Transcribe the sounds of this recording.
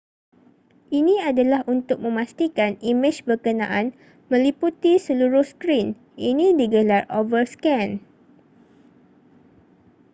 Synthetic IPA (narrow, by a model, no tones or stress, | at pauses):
ʔinĩadalahʔunt̪ʊk̚mə̃mãst̪ikanimɪd͡ʒbərkənã̰ʔan | mə̃liput̪isəluɾʊhskɾin | ʔinĩdiɡəlarovərskɛ̃n